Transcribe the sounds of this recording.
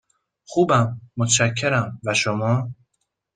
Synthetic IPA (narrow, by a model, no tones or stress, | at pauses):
xuːbæmːot̪ʰʃækʰːeɾæmvæʃomɒː